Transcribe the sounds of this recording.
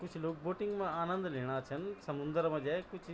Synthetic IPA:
kʊt͡ʃʰloːk̚boːʈɪŋɡmãaːnə̃nd̪leːɽ̃aːt͡ʃʰɐnsɐmʊnd̪ɾmãd͡ʒaːkʊt͡ʃʰ

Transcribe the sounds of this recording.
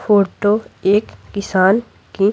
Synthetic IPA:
fʰoːʈoeːkːɪsaːn | ki

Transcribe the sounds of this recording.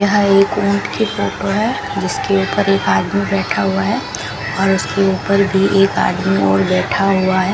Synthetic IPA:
jəɦeːkʊ̃ːɳʈkefoːʈoɦɛ | d͡ʒɪskeuːpəɾeːkaːd̪mibɛːʈʰaɦʊaɦɛː | ɔːɾʊskeuːpəɾbʱiʔeːka̰ːd̪miɔ̰ːɾbɛːʈʰaɦʊaɦɛː

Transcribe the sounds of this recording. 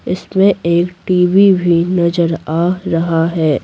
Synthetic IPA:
ɪsmẽeːkʈiːʋibʱinɐzəɾaːɾɐɦaɦɛː

